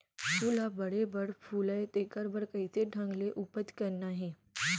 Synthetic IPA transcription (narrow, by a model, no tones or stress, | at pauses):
puːlabəɽebəɽpʰuːləet̪eːkəɾbəɽkəit̪ʰeɖʱə̃ŋɡleʔupət̪kɐɾnaɦẽː